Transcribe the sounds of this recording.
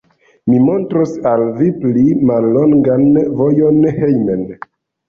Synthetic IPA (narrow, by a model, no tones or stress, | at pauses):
mimo̞ntɾosalviplimalːo̞ŋɡanvo̞jo̞nhejmen